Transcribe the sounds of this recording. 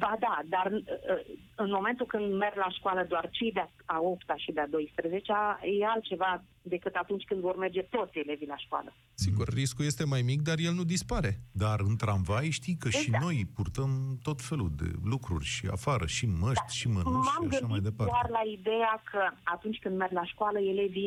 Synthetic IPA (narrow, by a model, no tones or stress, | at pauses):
d̪ad̪ad̪arə | ɨnmo̞me̞nt̪ulkɨnd̪me̞rɡlaʃkoaləd̪oart͡ʃijd̪eaaopt̪aʃid̪ead̪o̞jspɾəzet͡ʃeajealt̪t͡ʃe̞va | d̪e̞kɨt̪at̪unt͡ʃʲkɨnd̪vo̞rme̞rd͡ʒe̞t̪o̞t̪sʲjele̞vilaʃkoa̰lə̰ | siɡurriskuje̞st̪e̞majmik̚d̪arje̞lnud̪ispaɾe̞d̪aɾɨnt̪ɾanvajʃt̪ijkəʃino̞jpurt̪əmt̪o̞t̪fe̞lud̪ḛlukɾṵrʲʃia̰faɾə̰ʃiməʃt̪ʲʃimənamaɡɨʃamajd̪epaɾtarlaid̪e̞jakʰəat̪unt͡ʃʲkɨnd̪me̞rɡlaʃkoaləje̞levi